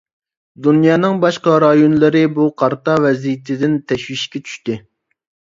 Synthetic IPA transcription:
d̪unjɑːnɨŋbɑʃqɑɾɑjonlˠɨɾɪbuqʰɑɾt̪ɑvɛzijit̪ʰɪd̪ɪnt̪ʰɛʃwiʃkʲɛt͡ʃʰy̥ʃt̪ɪ

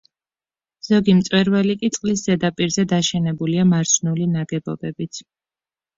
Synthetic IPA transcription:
z̥ɔɡimt̪sʼwɛɾvɛlikʼit̪sʼqʼlis̬z̥ɛd̪apʼiɾzɛd̪aʃɛnɛbuliamaɾt͡ʃʰnulinaɡɛbɔ̰bɛbit̪sʰ

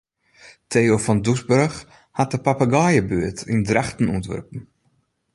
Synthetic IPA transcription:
tʰejofɔndusbɵrx | hat̚dəpapaɡaːjəbøətʰḭndraxtən̩uəntʋø̰rpn̩

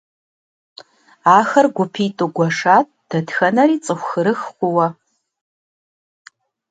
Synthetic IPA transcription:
aːxɐrɡʷʊpʰiːtʼuɡʷɔʂaːt̚ʰʼd̥ɐdxɐnɐɾiːt͡sʼɨxʷxɨɾɨxχʷʊwɐ

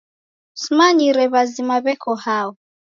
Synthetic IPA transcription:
smaɲiɾɛβazimaβɛkʰɔhawɔ

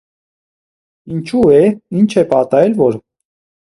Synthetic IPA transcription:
int͡ʃʰuɛint͡ʃʰɛpɑt̪ɑɛlvɔɾ

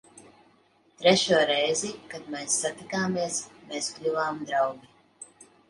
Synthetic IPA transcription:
t̪ɾɛʃuɔɾɛjzikad̪mɛːsːat̪ikaːmiɛsmeːsklʲuvaːmd̪ɾawɡʲi

